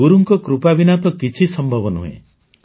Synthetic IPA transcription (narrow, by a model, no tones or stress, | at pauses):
uɾuŋkɔkɾupabinat̪ɔkit͡ʃʰisɔmbʱɔbɔnṵɦḛ̃